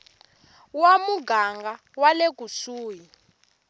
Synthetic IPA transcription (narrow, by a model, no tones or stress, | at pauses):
wamuɡaŋɡa | walek̬ʼusuːji